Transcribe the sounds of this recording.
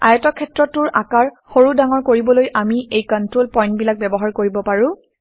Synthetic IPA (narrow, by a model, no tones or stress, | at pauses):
a̰jɔtɔkʰːɛtɹɔtːʊɹʔakaɹxoɹudaŋɔɹkoɹibɔlojʔamiejkɔntɹolpɔj̃ntbilak̚bɛbɔɦaɹkoɹibɔpaɹʊ̃